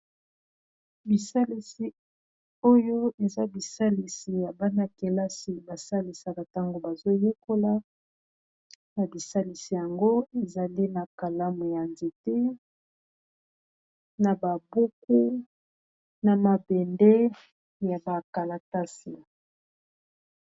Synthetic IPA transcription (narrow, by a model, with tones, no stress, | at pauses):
bi˨sa˦li˨si˨ | o˦jo˦e˨za˦bi˨sa˦li˨si˨ja˨ba˦na˨ke˨la˦si˨ba˨sa˦li˨sa˨ka˨ta˦ŋɡo˨ba˨zo˦je˦ko˦la˦ | na˨bi˨sa˦li˨si˨ja˨ŋɡo˦e˨za˨li˦na˨ka˨la˦mu˨ja˨nze˨te˦ | na˨ba˨bu˦ku˦ | na˨ma˨bɛ˨ndɛ˦ | ja˨ba˨ka˨la˨ta˦si˨